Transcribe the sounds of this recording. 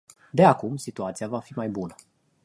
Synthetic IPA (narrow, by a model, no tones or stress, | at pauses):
d̪e̞akumsit̪uat̪sijavafimajbunə